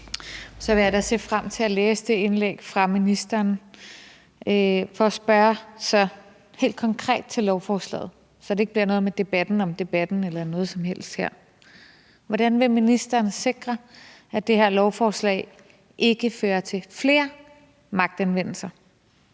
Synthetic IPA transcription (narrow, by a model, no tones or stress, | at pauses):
sɒʋe̝jädæse̝̰ːfʁam̰t͡sʰe̝æleːsəd̥e̝e̝nleɡ̥fʁɑ̈minisd̥ɐːn | fɒ̽ːsb̥ɶːɐsɑ | he̝̰ːld̥kʰɒ̽ŋkʰʁɛ̰ːd̥̚t͡sʰe̝lːɒʊfɒːslɛ̰ːð̞̩ˠ | sɒ̽d̥ee̝ɡ̥əb̥liɐnɔ̽ð̩ˠmed̥e̝b̥æd̥n̩ɒ̽md̥e̝b̥æd̥n̩elɐnɔ̽ːð̞̩ˠsɒ̽mhel̰sd̥heɐ̰ | ʋɒd̥ænʋe̝minisd̥ɐːnse̝ɡ̥ʁɐ | æd̥e̝heɐ̰lɒʊfɒːslɛ̰ɪ | ʔe̝ɡ̥əføːɐt͡sʰe̝fle̝ːɐ | mɑ̈ɡ̥̚d̥ænʋen̰l̩sɐ